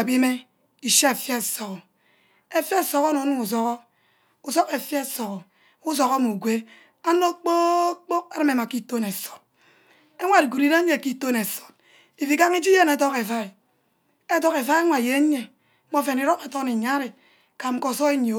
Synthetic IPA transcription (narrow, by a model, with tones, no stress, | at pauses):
a˨bi˦me˦ | i˨ʃa˦e˨fja˦e˨so˨kɔ˨ | e˦fja˦e˦˨so˨ko˦no˨˦nu˦ŋu˨s̬o˦ko˦ | u˨so˦ke˨fja˦˨so˨ɣɔ˨ | u˦s̬o˨ɣo˦mu˨ɡʷe˦ | a˦no˦k͡po˦k͡po˦k̚a˦ɾɨ˦me˨ma˨ki˦to˦ne˨so̥˨t̚ | e˦ŋʷa˨i˨ɡu˨ɾi˨ɾe˦ɲe˦˨ki˦to˦ne˨so̥˨t̚ | i˨fi˨ka˦ŋi˦d͡ʒi˦je˦ne˨˦to˦ke˨fa˦i˨ | e˦to˦ke˨fa˦ŋʷa˨je˨˦ɲe˨˦ | k͡po˦fe˨ni˨ɾo˦ke˨to˦ni˨ɲa˦ɾe˨ | ka˨ŋ͡m̩˨ko˨so˦e˦ɲ˨o˨˦